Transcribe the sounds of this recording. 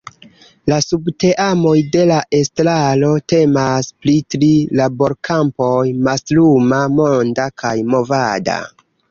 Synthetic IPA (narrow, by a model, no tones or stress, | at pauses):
lasubte̞ʔamo̞jde̞laʔe̞stɾalo̞te̞masplitɾilabo̞ɾkʰampo̞jmaslumamondakʰajmo̞vada̰